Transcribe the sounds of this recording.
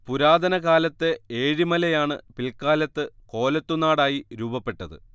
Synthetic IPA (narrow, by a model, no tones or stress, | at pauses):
puɾaːd̪ɐnɐkaːlɐt̪ːeeːɻimɐlɐjaːɳɨpilkaːlɐt̪ːɨko̞ːlɐt̪ːunaːɽaːjiɾuːbɐpːe̞ʈːɐðɨ̰